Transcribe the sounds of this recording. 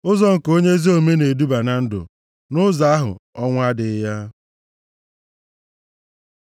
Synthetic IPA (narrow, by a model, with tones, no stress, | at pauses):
ʊ˦zɔ˦ŋ̩˨ko˦ɲe˦zi˦o˦me˦ne˨du˦ba˨na˨n̩˦dʊ̰˨ | nʊ˦za˨˦a˦ɦʊ̰˨ɔ˦ŋʷ˦a˦dɪ˨˦ja˦